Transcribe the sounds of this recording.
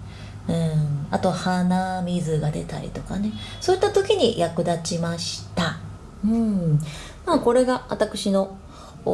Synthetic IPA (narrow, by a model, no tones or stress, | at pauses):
ɯ̟̃at̪o̞hanamʲizɨɡad̪e̞̰t̪a̰ɾʲḭt̪o̞kane̞so̞ːit̪ːat̪o̞kʲiɲ̟ijʔakɯ̟d̪at͡ɕimaɕi̥t̪a | ɯ̟̃ | mako̞ɾe̞ɡaβa̰t̪akɯ̟ɕino̞